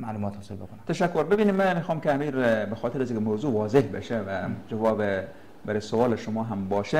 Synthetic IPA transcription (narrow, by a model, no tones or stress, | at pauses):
maːluːmɔːt̪hɔːselbekonæt̪ʰæʃækːoɾbebiːniːmːæmiːxɑːmkʲeæmiːɾbexɔːt̪ʰeɾæziːkʲmowzuːʋɒːzehbḛʃevæd͡ʒævɒːbe | bæɾesoʋɒːleʃomɒːɦæmbɒːʃe